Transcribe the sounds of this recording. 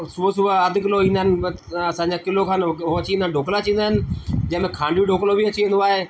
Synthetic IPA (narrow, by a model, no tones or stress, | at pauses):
suəsʊaəd̪ʱkɪloĩːnd̪ənɪ̆ɐsãːɲd͡ʑaːkɪlokʰaːnot͡ɕĩːnd̪aːnɖʱoːklat͡ɕĩːnd̪aːɦɪnɪ̆d͡ʑɐ̃ɦmẽkʰãːɳɖʋiːɖʱoːklobʱiət͡ɕiːẽnd̪oaːɦeː